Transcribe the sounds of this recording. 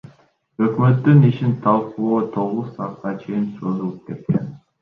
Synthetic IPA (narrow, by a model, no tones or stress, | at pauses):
ø̞kmø̞t̪ːyniʃint̪ʰɑlˠqulˠoːt̪ʰo̞ʁuz̥sɑt̪qɑt͡ʃʰe̞jinso̞zulˠup̚ke̞t̪̚ke̞̰n